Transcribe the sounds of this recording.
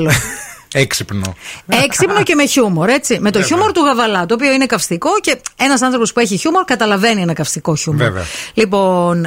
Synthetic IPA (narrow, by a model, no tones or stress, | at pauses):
loeksipno̰eksipno̞ce̞me̞çumo̞ɾe̞t͡sime̞t̪o̞çumo̞ɾt̪uɣɐvɐlɐt̪oːpio̞ine̞kɐfst̪iko̞ce̞e̞nɐsɐnθɾo̞po̞spue̞çiçumo̞ɾkɐt̪ɐlɐve̞nienɐkɐfst̪iko̞çumevḛɐ̰lipo̞n